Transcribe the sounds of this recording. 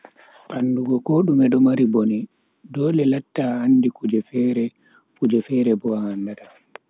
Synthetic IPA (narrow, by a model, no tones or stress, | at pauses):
ʔanːduɡɔkoɗumɛɗɔmaɾiboni | dɔːlɛlatːaanːdikud͡ʒɛfɛːɾɛ | kud͡ʒɛfɛːɾɛbɔaːndata